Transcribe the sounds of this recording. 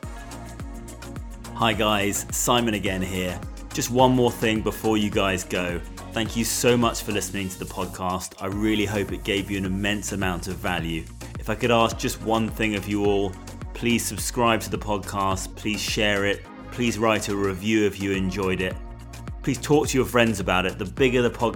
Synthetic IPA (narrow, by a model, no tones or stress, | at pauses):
haɪɡaɪz̥saɪ̃mɨ̃ñɨɡɛ̃nɦɪə | d̥ʒ̥ʌst̚wʌ̃nmɔːɹθɪ̃ŋbɪfɔːjɨɡaɪzɡəʊ | θæ̃ŋkʰjɨsəʊmʌt͡ʃfə˞lɪsnɪ̃ŋtʰəðəpʰɒd̚kʰɑˑstʰaɪɹɪəliɦəʊpɨt̚ɡ̥eɪvjɨɨ̃nɨmɛ̃nsəmãʊ̃ntʌvalˠjʉ | ɨfaɪkɨɾɑˑsk̚d̥ʒ̥ʌst̚wʌ̃nθɪ̃ŋʌvjəɔlˠ | pʰl̥iz̥sɨb̥skɹaɪb̚tʰəðəpʰɒd̚kʰɑstpʰl̥iz̥ʃɛɹɪt̚ | pʰl̥izɹaɪɾɨɹɪvjʉʌvjɨɨ̃nd͡ʒɔɪɾɪt̚ | pʰl̥iz̥tʰɔˑk̚tʰɨjə˞fɹɛ̃ndzɨbaʊɾɨt̪̚ðəbɪɡəðəpʰɒd̚